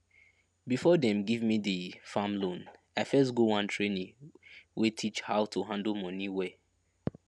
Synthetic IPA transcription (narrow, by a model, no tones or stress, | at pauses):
bifɔdɛ̃mɡivmidifamlõn | aɪfɛs̬ɡowãntʰɹenĩwʔetʰit͡ʃhaʊtʰuɦãndl̩mɔ̃niwɛ